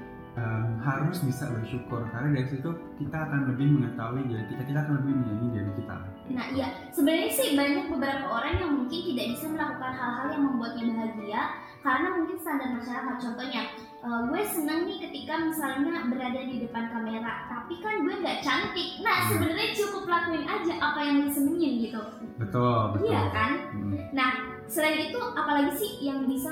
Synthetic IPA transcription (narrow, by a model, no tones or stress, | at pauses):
ʔəmhaɾʊsbisa̰bərʃukʊrkarnadaɾisit̪u | kit̪aːkanləbɪhməŋət̪auid͡ʒadit̪it̪akit̪aːkanləbɪhmənanid͡ʒadikit̪a̰l | naʔija | səbənərɲasɪhbaɲak̚bəbəɾapaoɾaŋjaŋmuŋkɪnt̪idaʔbisaməlakukanɦalɦaljaŋməmbuat̪̚ɲabəɦaɡia | kaɾənamuŋkɪnst̪andar̚mərt͡ʃaɾaɦat͡ʃɔnt̪ɔɲa | ʔəɡuasənəŋnikət̪ikamisalɲabəɾadadidəpankameɾat̪apikanɡuaŋɡaʔt͡ʃant̪ɪk̚nahsəbənarɲat͡ʃukʊplakuɪnʔad͡ʒaʔapajaŋnasəməŋaəɡit̪u | bət̪ʊlijakannah | səlaɪnit̪uʔapalaɡisɪhjaŋbisa